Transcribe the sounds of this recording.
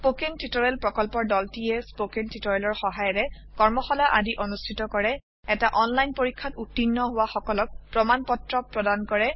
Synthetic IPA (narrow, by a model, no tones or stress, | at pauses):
pokentitɔɹɛlpɹɔkɔlpɔɹdɔltiɛspokentitɔɹɛlɔɹxɔɦajɔɹɛ | kɔɹmɔxɔlaʔadiʔonustʰitɔkɔɹɛ | ɛtaʔɔnlajnpoɹikʰːatutːinːɔɦʊwaxɔkɔlɔk̚pɹɔmanpɔtɹɔpɹɔdankɔɹɛ